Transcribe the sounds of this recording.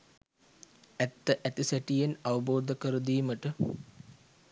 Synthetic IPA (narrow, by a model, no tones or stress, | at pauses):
æt̪ːəʔæt̪isæʈijenɐʋɐboːd̪əkəɾəd̪iːməʈə